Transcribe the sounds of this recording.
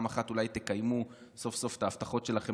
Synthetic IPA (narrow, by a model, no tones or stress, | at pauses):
maχat̪ulajt̪e̞kajmu | so̞fso̞ft̪aːft̪aχo̞tʃe̞laχe̞